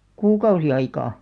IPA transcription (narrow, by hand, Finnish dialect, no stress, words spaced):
kuːkɑusi ɑikɑː